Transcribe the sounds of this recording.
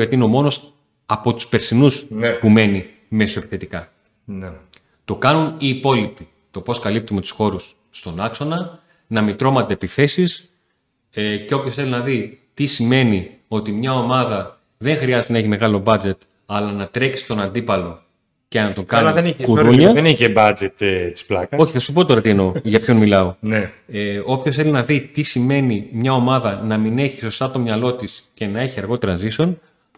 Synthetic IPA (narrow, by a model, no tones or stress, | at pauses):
ɐt̪iineo̞mo̞no̞s | ɐpo̞t̪u̥spe̞ɾsinuspume̞ni | me̞soepi̥θe̞t̪ikɐ | t̪o̞kɐnuniːpo̞lipi | t̪o̞po̞skɐlip̚t̪ume̞t̪u̥sxo̞ɾusː | t̪o̞nɐkso̞nɐ | nɐmit̪ɾo̞mɐd̪epiθe̞sis | ece̞o̞pçosθelinɐðit̪isime̞nio̞t̪imɲɐo̞mɐðɐ | ðe̞ŋxɾiɐzet̪enɐeç̬ime̞ɣɐlo̞bɐd͡ze̞t̪ | ɐlɐnɐt̪ɾe̞ksi̥st̪o̞nɐnd̪ipɐlo̞ | cenɐt̪o̞ŋkɐnlɐðenikuɾuɲɐeniçebɐd͡zet̪t̪i̥splɐkɐo̞çiθɐsup̬ot̪o̞ɾɐt̪ie̞no̞ʝɐpço̞nmilɐo̞neeo̞pçosθe̞linɐðit̪isime̞nimɲɐo̞mɐðɐnɐmine̞çi̥so̞st̪ɐt̪o̞mɲɐlo̞t̪isce̞nɐe̞çiɐɾɣo̞t̪e̞ɾɐziso̞n